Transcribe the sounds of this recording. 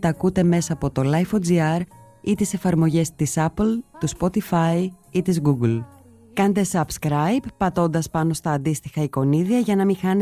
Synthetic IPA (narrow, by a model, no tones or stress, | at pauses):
t̪ɐkut̪e̞me̞sɐːpo̞t̪o̞lɐjfod͡ziɐɾ | it̪ise̞fɐɾmo̞ʝe̞st̪isɐplt̪uspo̞t̪ifɐiit̪izɣuɡl | kɐnd̪esɐbskɾɐjpːɐt̪o̞nd̪ɐspɐno̞st̪ɐːnd̪ist̪ixɐiko̞niðiɐʝɐnɐmixɐn